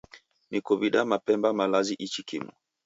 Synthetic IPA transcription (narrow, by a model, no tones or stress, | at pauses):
nikɔβiɗamapɛmbamalaziʔit͡ʃikḭmṵ